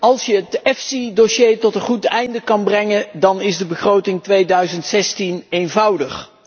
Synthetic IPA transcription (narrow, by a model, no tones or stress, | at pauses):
ɑlˠsjəətɛfsidoʃejtɔtənχutɛjndəkɑnbrɛŋəndɑnɪzdəbəχrowtɪŋtʋejdœɥzəntsɛstinejnvɑwdəχ